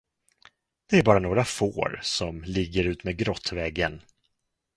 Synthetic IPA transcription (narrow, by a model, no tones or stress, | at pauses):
d̪̥ɛæɾbɑːɾanoːɡɾafo̰ːɾsɔmlɪɡːəɾʉ̟ːt̪meːd̪̚ɡɾɔt̪ːvɛɡːən